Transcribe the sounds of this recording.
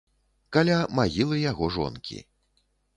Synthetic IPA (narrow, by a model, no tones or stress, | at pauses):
kalʲamaɣʲilˠɨjaɣɔʐɔ̰nkʲḭ